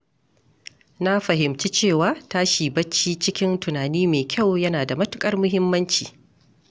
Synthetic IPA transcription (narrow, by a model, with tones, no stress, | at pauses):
na˦ɸɐ˨ɦɪ˨mt͡ʃi˦t͡ʃeː˦˨waː˨taː˦ʃiː˨bɐ˦t͡ʃːiː˦t͡ʃɪ˦kʲɪ˦ntʊ˨naː˨niː˦meː˨kʲa˦˨wjɐ˦naː˨da˨mɐ˦tʊ̥˦kʼɐ˦rmʊ˦ɦɪ˦mːɐ˦nt͡ʃḭː˨